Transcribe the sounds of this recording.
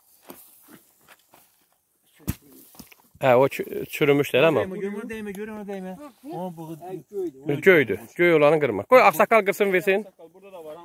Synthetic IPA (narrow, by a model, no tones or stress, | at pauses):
æot͡ʃʰt͡ʃʰyɾymyʃt̪elæma | ɟøjd̪yɟ̥øjolɑnɯŋɡɯɾmɑ̰ɡ̥ojɑχsɑkɑlˠɡɯɾsɯnveɾsin